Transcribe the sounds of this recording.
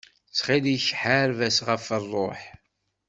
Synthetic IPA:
t͡sːχiðiçħaɾvæsʁəfərˤːoħ

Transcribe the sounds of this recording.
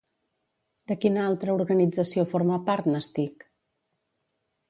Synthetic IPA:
d̪əkinalˠt̪ɾəuɾɣənid͡zəsiofoɾməpaɾt̪nəst̪ik

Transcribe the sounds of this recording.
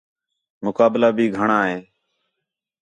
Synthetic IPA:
mʊkaːblaːbʱiːɡʱəɳaːɦeː

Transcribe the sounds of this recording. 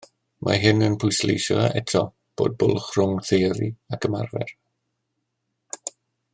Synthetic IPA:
mʔa̰ɦɪnənpʰʊjslḛjʃɔaɛtʰɔ | b̥oːd̚bʊlˠχrʊŋθejɾiakʰəma̰rvɛ̰r

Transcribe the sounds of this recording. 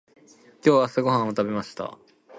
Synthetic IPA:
kʲo̞ːβasɨɡo̞ɦãɰ̃o̞t̪abe̞maɕi̥t̪a̰

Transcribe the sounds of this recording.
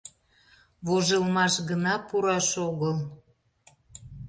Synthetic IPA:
βoʒəlmɑʃɣənɑpuɾɑʃoɣəl

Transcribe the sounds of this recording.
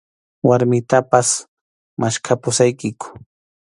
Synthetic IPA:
waɾmɪt̪apas | maʃkʰapʊsajkɪkʊ̥

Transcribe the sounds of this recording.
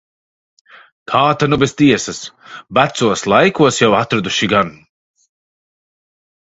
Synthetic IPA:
kʰaːt̪anubest̪iɛsɐsbat̪suɔslˠajkuɔsjawat̪ɾad̪uʃiɡan

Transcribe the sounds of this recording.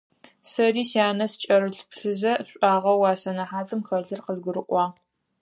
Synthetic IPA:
sɐriːsjaːnɐst͡ʃʼɐɾɨɬpɬɨzɐɕʼɑːʁɐwɑːsɐnɐħaːtʼɨmxɐɮɨrqəzɡʷʊɾɨʔʷɑː

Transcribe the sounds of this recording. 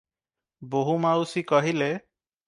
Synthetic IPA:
boɦumawsikɔɦile

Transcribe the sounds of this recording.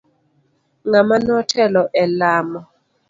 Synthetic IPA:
ŋamanɔtʰɛlɔʔɛlamɔ

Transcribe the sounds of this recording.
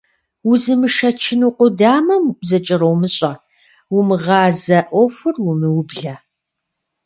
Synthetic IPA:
wʊzɨmɨʃɐt͡ʃʰɪnuqʷʊdaːmɐmzɐt͡ʃʼɪrowmɨɕʼɐ | wʊmɨʁɑːzɐʔʷɔfʷɨrwʊmɨwʊbɮɐ

